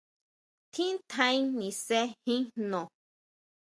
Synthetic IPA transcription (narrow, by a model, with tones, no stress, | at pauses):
t̪ʰĩ˦n˦t̪ã˦nĩ˨sɛ˦hĩ˦nɔ̃˨